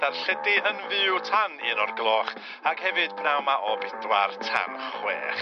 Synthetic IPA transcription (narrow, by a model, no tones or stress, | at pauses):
d̥arɬɛdɪənvɨwtʰanɪnɔrɡlˠɔχ | akhɛvɨd̥pʰnawmaʔɔbɪdwartʰa̰nχwḛːχ